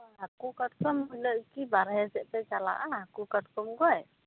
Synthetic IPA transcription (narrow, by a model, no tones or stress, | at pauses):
akukat̚kɔmilɔʔkibaɾɛɦɛsɛʔpɛt͡ʃala̰ʔaakukat̚kɔmkɔɛ